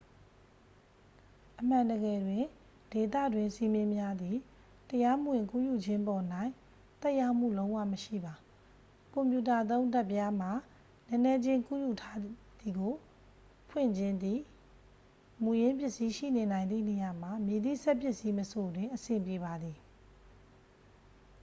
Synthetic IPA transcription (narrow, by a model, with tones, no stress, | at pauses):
ʔəm̥ã˨ndəɡɛ˨dwɪ̃˦˨ | d̥e˨t̪̬a̰˦˨dwɪ̃˨nsi˦mjɪ̃˦mja˦d̪i˨ | təja˦məwɪ̃˨ŋkṵ˦˨ju˨d͡ʑɪ̃˦mpɔ˨n̥ã˨ɪ̃ | t̪ɛ˦ʔja˦˨m̥ṵ˦˨lõ˦ʊ̃wa̰˦˨məʃḭ˦˨ba˨ | kʊ̃˨mpju˨ta˨ʔət̪̬õ˦ʊ̃nta˦˨pːja˦m̥a˨ | lɛ̃˦nɛ˦d͡ʑɪ̃˦ŋkṵ˦˨ju˨tʰa˦d̪i˨ɡo˨ | pʰwɪ̰̃˦˨ɲd͡ʑɪ̃˦nd̪ðḭ˦˨ | mu˨jɪ̃˦mpjɪ˦ʔsi˦ʃḭ˦˨ne˨nã˨ɪ̃nd̪ḭ˦˨ne˨ja˨m̥a˨mji˨d̪ḭ˦˨sɛ˦ʔpjɪ˦ʔsi˦məso˨dwɪ̃˨ʔəsɪ̃˨mpje˨βa˨d̪ði˨